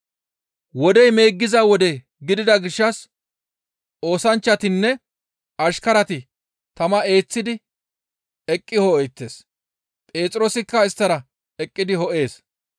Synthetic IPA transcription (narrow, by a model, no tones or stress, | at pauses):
wɔd̪ɛjme̞ːɡːɪzɐwɔd̪ɛ | ɡɪd̪ɪd̪ɐɡɪʃːɐs | o̞ːsɐnt͡ʃːɐt̪ɪnːɛ | ɐʃkɐɾɐt̪ɪ | t̪ɐmɐe̞ːt͡sːɪd̪ɪ | ɛkʼːɪhɔɛjt̪ːeːs | pʼe̞ːt͡sʼɾo̞ːsɪkːɐɪst̪ːɐɾɐ | ɛkʼːɪd̪ɪɦɔʔe̞ːs